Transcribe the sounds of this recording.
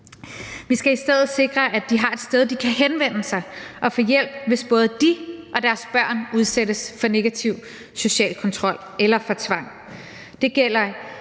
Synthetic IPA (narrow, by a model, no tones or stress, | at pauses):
ʋisɡ̥æisd̥eð̰ð̩ˠse̝ɡ̥ʁɐʔæd̥iɦɑ̈e̝d̥sd̥eð̞ˠd̥ikʰæɦenʋen̰əsɑ̈ɪʔɒ̽fɔ̽jel̰b̥̚ʋe̝sb̥ɔ̽ːð̞̩ˠəd̥iʔɒ̽d̥æɐsb̥ɶɐ̰nuð̞ˠseɾ̥əsfɒ̽ne̝ɡ̥æt͡sʰiʊ̰ | so̝ɕɛ̰ːlkʰɒ̽nt͡sʰʁɒ̽l̰ | elɐfɒ̽t͡sʰʋɑ̈ŋ̰ | d̥e̝ɡ̥el̰ɐ